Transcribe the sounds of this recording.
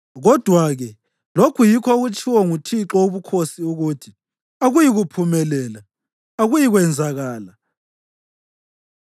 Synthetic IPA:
ɣɔd̥ʱwaɣɛ | lokʰujikʰɔɣut͡ʃʰʼiwɔŋutʰiǁɔuβukʰosiuɣutʰi | aɣujiɣupʰumɛlɛːla | aɣujiɣwɛnd͡zʱaɣaːla

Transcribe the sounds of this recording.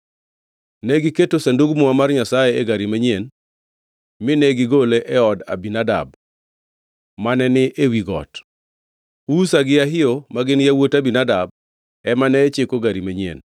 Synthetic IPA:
nɛɡɪketosanduɡmɔamarɲasajeeɡaɾimaɲen | mɪnɛɡɪɡoleʔɛɔda̰binada̰b̚ | manɛnɪʔewiɡɔ̰t | usaɡɪaɦɪjomaɡɪnjawotabinadab̚ | ɛmanɛːt͡ʃekoɡaɾimaɲiḛn

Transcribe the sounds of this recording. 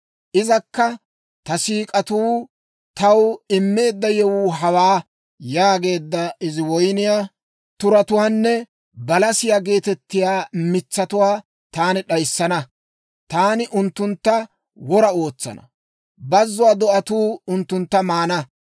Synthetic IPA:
ʔɪzɐkːɐ | t̪ɐsiːkʼɐt̪uː | t̪ɐwɪmːe̞ːd̪ːɐjɛwuːɦɐwaː | jaːɡe̞ːd̪ːɐɪzɪwɔjnɪjaː | t̪ʊɾɐt̪ʊwaːnːɛ | bɐlɐsɪjaːɡe̞ːt̪ɛt̪ːɪjaːmɪt͡sːɐt̪ʊwaː | t̪aːnɪɗɐjsːɐnɐ | t̪aːnɪʔʊnt̪ːʊnt̪ːɐ | wɔɾɐo̞ːt͡sːɐ̰nɐ̰ | bɐzːʊwaːd̪ɔʔɐt̪uːʊnt̪ːʊnt̪ːɐmaːnɐ

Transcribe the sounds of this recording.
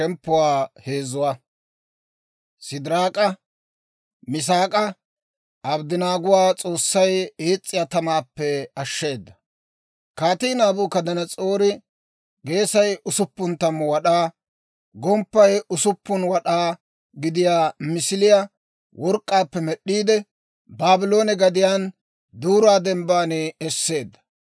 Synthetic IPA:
ʃɛmpːʊwaːhe̞ːzʊwa | sɪd̪ɪɾaːkʼɐ | mɪs̬aːkʼɐ | ɐbd̪ɪnaːɡʊwaːt͡sʼo̞ːsːɐjeːt͡sʼːɪjat̪ɐmaːpːɛɐʃːe̞ːd̪ːɐ̥ | kaːt̪iːnaːbʊːkɐd̪ɐnɐt͡sʼoːɾɪ | ɡe̞ːsɐjʊsʊpːʊnt̪ɐmːwɐɗaː | ɡɔmpːɐjʔʊsʊpːʊnwɐɗaː | ɡɪd̪ɪjaːmɪsɪlɪja | wʔɔɾkʼːaːpːɛmɛɗːiːd̪ɛ | baːbɪlo̞ːnɛɡɐd̪ɪjaːn | d̪uːɾaːd̪ɛmbaːneɛsːe̞ːd̪ːɐ̥

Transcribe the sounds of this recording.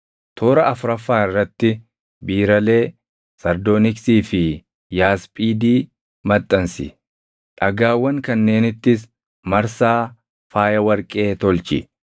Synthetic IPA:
t̪ʰoːɾɐʔɐfʊɾɐfːaːɪrːɐt̪ːɪ | biːɾɐle̞ː | sɐɾd̪oːnɪksiːfɪ | jaːspʼiːd̪iː | mɐt̪ʼːɐnsɪ̰ | ᶑɐɡaːwːɐŋkɐnːe̞ːnɪt̪ːɪs | mɐɾsaː | faːjɐwɐɾkʼe̞ːt̪ɔlt͡ʃɪ̰

